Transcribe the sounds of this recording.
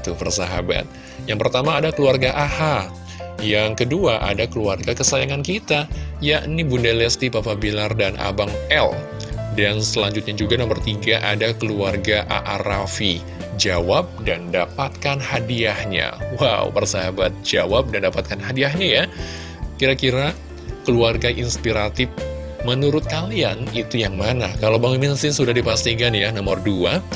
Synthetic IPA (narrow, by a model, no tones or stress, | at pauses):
it̪upərsaɦa̰ba̰t̪̚ | jaŋpərt̪amaːdakəluarɡaʔaha | jaŋkəduaʔa̰dakəluarɡakəsajaŋankit̪ajaʔnibundalɛst̪ipapabilardanʔa̰baŋɛl | dansəlaɲd͡ʒʊt̪̚ɲad͡ʒuɡadaŋbərt̪iɡaʔadakəluarɡaʔa̰ʔaɾafi | d͡ʒawap̚dandapat̪̚kanhadiahɲa̰wa̰wpərsaɦabat̪̚d͡ʒawap̚dandapat̪̚kanɦadiahɲaja | kiɾakiɾa | kəluarɡaʔinspiɾat̪ɪf | mənuɾʊt̪̚kalianit̪ujaŋmanakalawbaŋiminsɪnsudahdipast̪ikanjanɔmərdua